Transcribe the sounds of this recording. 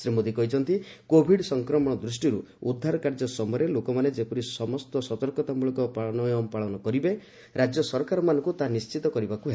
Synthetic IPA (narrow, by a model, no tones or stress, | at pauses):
sɾemod̪ikɔɦit͡ʃʰɔnt̪ikobʱiɖsɔŋkɾɔmɔɽ̃ɔd̪ɾus̬ʈiɾuud̪ʱːaɾɔkaɾd͡ʒɔsɔmɔjɾelokɔmaned͡ʒepuɾisɔmɔst̪ɔsɔt̪ɔɾkɔt̪amuɭɔkɔpaɭɔnɔjɔmpaɭɔnɔkɔɾibe | ɾad͡ʒjɔsɔɾɔkaɾɔmanɔ̃ŋkut̪anist͡ʃit̪ɔkɔɾibakuɦe